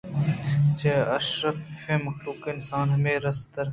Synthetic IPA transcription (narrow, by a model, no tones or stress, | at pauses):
t͡ʃeːɐʃɾəfẽːmɐxluːkɪnsaːnɦɐmeːɾɐst̪əɾ